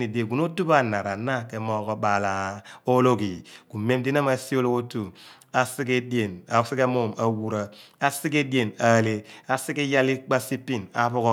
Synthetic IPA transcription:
ni˨de˨ɡu˨no˦tu˦ba˦˨na˨ɾa˨na˦ke˨mɔ˦kɔ˦ba˨la˨o˦lo˦ki˨ku˨me˦mdi˦na˦ma˦si˦o˦lo˦o˦tu˨ | a˨si˦ke˦di˦e˨na˨˦si˦ke˦mo˦˨ma˨wu˨ɾa˨a˦si˦ke˦di˦e˨na˨le˦a˨si˦ki˦ja˦li˦k͡pa˦si˦pːi˦˨na̰˦pu˦kɔ˦

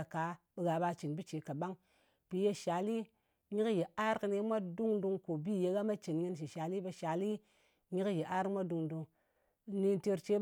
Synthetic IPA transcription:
a˨ka˨˦ɓi˧ɡa˨ba˧t͡ʃi˨nbi˦t͡ʃe˨ka˨ɓa˦ŋ | pi˨je˧ʃa˨li˦ | ɲi˦kje˨a˦ɾkɨ˧ni˧˦mʷa˦du˦ŋdu˧ŋko˨bi˦˨je˧˦ɡa˦ma˦t͡ʃi˨nŋɨ˧˦nʃ̬i˨ʃa˨li˦be˧ʃa˨li˦ | ɲi˦kje˨ʔa˦ɾkmʷa˦du˧ŋdu˧ŋ | ni˧nte˧ɾt͡ʃe˦

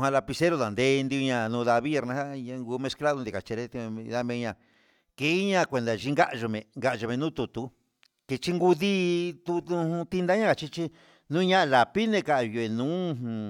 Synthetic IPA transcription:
ɦã˧la˧pi˧se˦ɾo˧ða˨nd̪e˦˧nd̪i˧u˧ɲã˧nũ˧ða˧βi˦e˧ɾnã˧˦a˦ɲã˧ŋɡu˧˦mẽ˧skla˦ðo˧d̪i˨˧ka˨t͡ʃe˧ɾe˦t̪i˧ða˧mẽ˧ɲã˧˨ | ke˧˦i˦ɲã˦˧kʷe˧nd̪a˨ʒi˧ŋɡa˦ʔʒo˧mẽ˧ŋɡa˧ʔo˧mẽ˧nũ˦t̪u˧˨t̪u˧˦ | ke˧t͡ʃi˦ŋɡu˧ði˦t̪u˧t̪u˧ũ˧t̪i˦˧nd̪a˦ɲã˦˧a˧˨t͡ʃi˦t͡ʃi˦ | nũː˦ɲã˦ʔla˨pi˦nẽ˧ka˧ʔju˧˨e˨nũː˦˧ɦũ˨˧

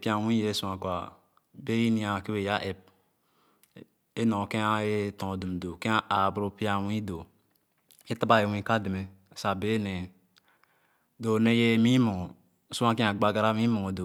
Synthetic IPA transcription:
pi˦a˨wĩ˦je˦su˦ã˨kʷa˨ | be˦ji˦ni˦a˨ki˦we˨ja˦ʔe˨p̚ | e˦nõ˨ke˦a˦e˦tõ˨du˨m˨do˨kẽ˦a˦ʔa˨bɾo˦pi˦a˦˨wĩ˦do˨ | e˦ta˦ba˦˨e˨wĩ˦ka˦de˨me˨ | sa˨be˦ne˨ | do˨ne˦je˦mi˦mo˨ | su˦ã˦ke˦a˨ɡ͡ba˦ɡa˦ɾa˦mi˦mo˨o˨do˨

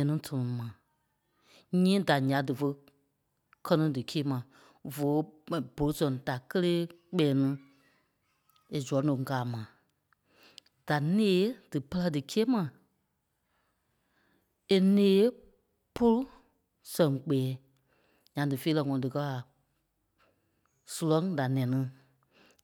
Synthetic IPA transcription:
ɛ˨˦nĩ˦tʰɔ˧˨ũ˨˧mã˨ | ɲĩː˦da˨ɲã˨˦dɨ˨fə˧ | kʰɜ˦nĩ˧˦dɨ˨keː˦mã˨ | vo˨˦˨bo˨lu˦sɛ̃˨da˨kə˦leː˦ | k͡pɛː˨˦nũ˦ | e˨zu˨ɔ˨˦nũ˨˦ɡaː˨mã˨˦ | d̥a˨neː˨˦d̥ɨ˨pə˦lɜ˧˦dɨ˨keː˦mã˨ | e˨nẽː˨˦ | po˦lu˦ | sɛ̃˨ŋk͡pɛː˨˦ | ɲã˨˦dɨ˨fe˦lɛ˧˨ŋɔ̃˧˨dɨ˨kɜ˧˦a˨ | su˨˧lɔ̃˦ŋda˨nɛ̃˨˦nĩ˦

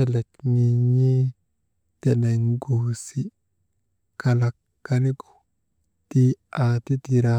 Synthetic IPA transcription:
e˦le˨kni˨ɲi˦ | te˨ne˨ŋɡo˨si˦ | ka˨la˨kːa˦ni˦ɡu̥˨ | ti˦a˨t̪i˦ti˨ɾa˦

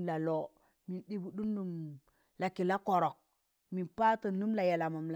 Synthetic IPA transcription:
la˨lo˨˦ | mi˨nɗi˦bu˨ɗu˦nːu˨m | la˨ki˨la˦ko˨ɾo˨k̚ | mi˨npa˦tə˨nu˦mla˨ja˨la˨ma˨mla˨

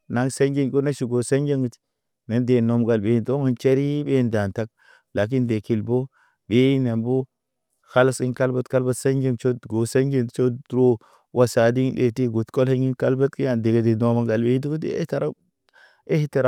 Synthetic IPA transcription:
na˨˦ŋsa˦nɡe˦nko˦na˦ʃi˨ɡo˨sa˦nd͡ʒe˦ŋɡi˨t | ne˦nde˨no˨mɡa˨lbe˨i˦nto˦ŋu˦nt͡ʃe˦ɾi˦be˦nda˨nta˦k̚ | la˨k̬i˦nde˨ki˨lbo˦ | ɡe˦i˦ne˨mbo˦ | xa˦la˦si˦nka˦lba˦tka˦lba˦tsa˦nd͡ʒe˦ŋt͡ʃo˦˨ɡo˨sa˦ŋɡe˦n˨t͡ʃo˦dɾo˦ | wa˨sa˨di˦ɗḛ˨ti˦ɡu˨tko˦le˦ŋi˦nka˦lba˦tki˦ja˨nde˨ɡe˨di˨no˦ma˦ŋɡa˨lbe˦i˦ti˦ku˦dḛ˨˦ḛ˦ta˨ɾa˦ | e˦hi˦ta˨ɾa˨

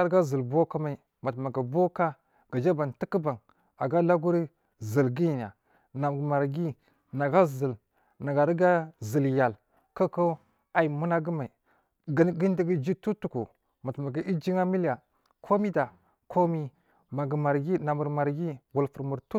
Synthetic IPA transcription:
a˦ɾɡa˦zə˨lbo˦ka˦ma˦i˨ | ma˨tma˨ɡa˨bo˦ka˦ | ɡ̥a˨d͡ʒa˦ba˨nti˦kə˦ba˨ŋ | a˨ɡa˦la˦ɡu˦ɾi˦ | zə˨lɡi˦˨n˨a˨ | na˨m˨ma˨ɾɡi˦ | na˨ɡa˦zə˨l | na˨ɡa˨ɾɡa˦zə˨lja˨l | ka˦ko˦ | a˨i˨mu˦na˦ɡə˦ma˨i˨ | ɡnɡi˦n˦di˦ɡi˦d͡ʒi˦tu˦tu˨ku˨ | ma˨tma˨ɡa˨i˦d͡ʒi˦ŋa˦mi˦la˨ | kʰo˦mi˦da˨ | kʰo˦mi˦ | ma˨ɡma˨ɾɡi˦na˨mu˨ɾma˨ɾɡi˦wu˨lfu˨ɾmu˨ɾtu˦

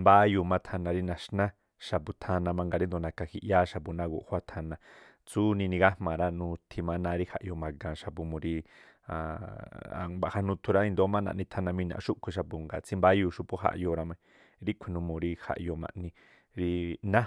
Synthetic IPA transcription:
mba˦ju˧˨mã˧t̪ʰa˧nã˧ɾi˧nã˨ʃnã˦ | ʃa˧˨pu˧t̪ʰa˧nã˧mã˧ŋɡa˧ɾi˦nd̪o˨nã˧ka˧hi˧ʔja˦ʃa˧pu˧˨nã˧ɡṵ˧ʔhwa˧t̪ʰa˧nã˧ | t͡su˦nĩ˧nĩ˧ɡa˦hmã˨ɾa˦nũ˧t̪ʰi˧mã˧nã˧ɾi˦ha̰˧ʔjo˧˨mã˨ɡã˨ʃa˧pu˧mũ˨ɾi˧ | a̰˧ | ba˧˨ha˧nũ˧t̪ʰu˧ɾa˦i˧nd̪o˧˦mã˦nã̰˧˨ʔnĩ˧t̪ʰa˧nã˧mĩ˧nã̰˧˨˧ʃu˦ʔkʷʰi˧ʃ̬a˧pu˧˨ŋɡa̰˨t͡sĩ˧mba˦juː˧˨ʃu˧po˦ɦa̰˧ʔjo˧˨˧ɾa˧mã˧i˧ | ɾi˦kʷʰĩ˧nũ˧mũ˨ɾi˧ha̰˧ʔjo˧mã̰˧ʔnĩ˧ | ɾi˧nã˦

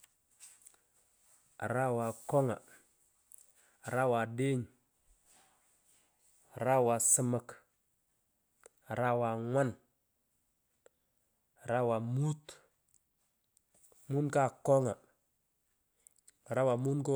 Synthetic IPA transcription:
ɾa˦wa˨ko˦ŋa̰˨ | ɾa˦wa˨de˦ɲ˨ | ɾa˦wa˨sə˦mə˨k | ɾa˦wa˨ŋʷwa˦n˨ | ɾa˦wa˨mu˦t̪ | mu˦nka˦ko˦ŋa˨ | ɾa˦wa˨mu˦nko˦

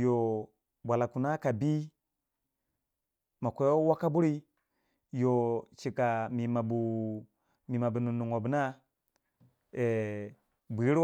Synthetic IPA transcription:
jo˨ | bʷa˨la˨ku˨na˦ka˨bi˦ | ma˨kʷe˦o˦wa˦ka˦bu˦ɾi˦ | jo˨t͡ʃi˨ka˨mi˨ma˨bu˨ | mi˨ma˨bu˨nu˨nu˨ŋo˨bu˨˦na˦ | e˨ | bi˨˦ɾ

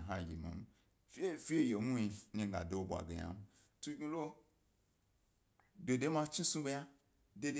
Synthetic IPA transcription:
ɦa˦˨ji˨mo̰˨m˦ | fe˦fi˦e˦je˨mu˦i˧ni˦˨ɡa̰˨do˦o˨bʷa̰˨ɡḛ˨ja̰˨˦m˦ | tu˦ɡĩ˦lo˦ | de˨de˦ma˦t͡ʃi˦sũ˦ɡe˦ja˦ | de˦d

